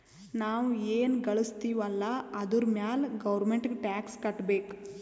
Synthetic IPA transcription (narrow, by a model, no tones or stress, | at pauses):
naːʋueːnɡɐɭust̪iːʋɐlːɐɐd̪uɾmjaːlɡɐʋɐɾmeɳʈɡeʈaːkskɐʈbeːk